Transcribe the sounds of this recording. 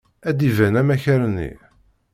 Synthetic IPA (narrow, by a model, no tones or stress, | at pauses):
æd̪ivænæmæçæɾnːḭ